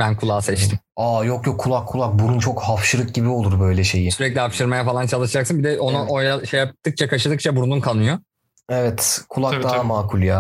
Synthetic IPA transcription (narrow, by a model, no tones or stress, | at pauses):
bænkʰulˠaːsɛt͡ʃt̪ʰim | ajokjokʰːulˠakʰːulˠak̚buɾunt͡ʃʰo̞khafʃɯɾɯk̚ɟibio̞lˠuɾbø̞jlʲɛʃe̞jisyɾɛclʲiapʃɯɾmajafalˠant͡ʃʰalˠɯʃɯd͡ʒaksɯnbid̪ɛʔo̞nuʔojaʃejjap̚t̪ːɯk̚t͡ʃʰakʰaʃɯd̪ɯk̚t͡ʃʰabuɾnunkʰanˠɯjo | evɛt̪kʰulˠak̚d̪aɦamaːkʰulʲˠjaː